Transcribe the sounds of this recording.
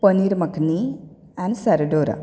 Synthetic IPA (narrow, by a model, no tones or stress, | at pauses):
pəniɾməkʰni | ɛ̃nsaɾɖoɾa̰